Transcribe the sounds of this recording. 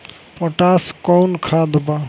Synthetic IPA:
pɔʈaskɔwnkʰad̪ba

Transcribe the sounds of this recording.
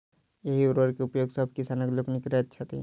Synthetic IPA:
jeɦiuɾəɾkeupjoːɡsəbʱkisanəkloknikɾɛt̪̚t͡ʃʰɐt̪i

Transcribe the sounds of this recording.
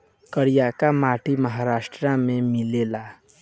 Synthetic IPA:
kəɾijakamaʈʰiməɦaɾasʈɾamẽmilela

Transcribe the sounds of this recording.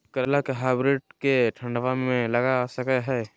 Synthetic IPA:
kɐɾəlakeɦaɪbɾɪʈ̚keʈʰə̃ɳɖəʋamẽlɐɡasɐkɛɦɛː

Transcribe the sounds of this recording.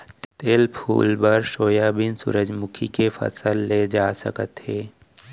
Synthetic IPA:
t̪t̪eːlpʰṵːlbəɾʃoːjabɪnsʊ̰ɾəd͡ʒmʊkʰikefʰə̰səlːed͡ʒaːsə̰kət̪ɦeː

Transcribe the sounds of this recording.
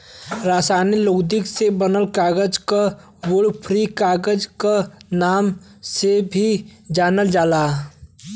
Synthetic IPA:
ɾaːsaːniloːɡd̪ɪksebənəlkaːɡəd͡ʒka | wolpʰɾikaːɡəd͡ʒkanaːm | sebʱid͡ʒaːnəld͡ʒaːlaː

